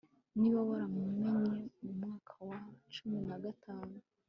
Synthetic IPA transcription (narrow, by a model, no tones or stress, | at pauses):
niβaβaɾamumeɲe̞mumŋaːkʰawat͡ʃuminaɡatʰaːnu